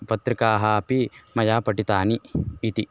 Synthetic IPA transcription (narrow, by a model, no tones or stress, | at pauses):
pɐt̪ɾikaːɦɐɐpimɐjaːpɐʈit̪aːniːt̪i